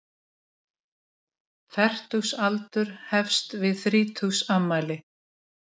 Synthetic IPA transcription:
fɛr̥t̪uwsalt̪ʏɾ̥hɛfst̪vɪðθɾiːt̪ʰuwsamːaːjlɪ

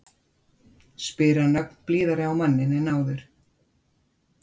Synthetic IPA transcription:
spɪːɾanœk̚n̥pliːðaɾɪawmanːɪnɛnaːwðʏɾ̥

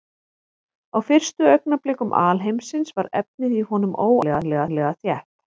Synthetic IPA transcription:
awfɪr̥st̪ʏœɥknaplɪːkʏmʔa̰ːlɦejmsɪnsvaɾɛ̰p̚nɪðiɦɔnʏmʔoːwlɛɣalɛɣalɛːɣaθjɛht̪

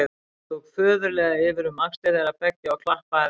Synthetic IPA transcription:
t̪ɔɣfœːðʏɾlɛːɣaɪvɪɾʏmakst̪ɛðɛɾapɛcːɪawkʰlahpaɾ

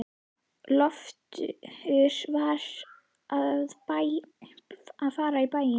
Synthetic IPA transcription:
lɔft̪ʏ̰ɪɾ̥vaɾ̥ | aððpa | aðfaːɾaipaːjɪ

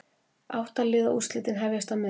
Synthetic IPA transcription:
a̰wht̪alɪːðaʔust̪lɪt̪ɪnɦɛvjast̪amɪ

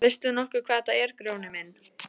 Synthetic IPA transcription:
vɪst̪ʏnɔhkʏkʰvaːðθaɛɾ̥kɾjoːwnɪmɪn

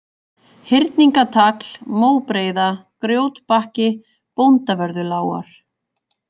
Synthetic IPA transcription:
hɪɾt̪niŋkat̪ʰakl̥moːwpɾeːjðakɾjoːwt̪pahcɪ | pownt̪avœɾðʏlaːwa̰ɾ̥

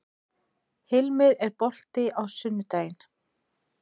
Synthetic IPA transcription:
hɪlmɪɾɛɾpɔl̥t̪ɪʔawsʏnːʏt̪aːjn

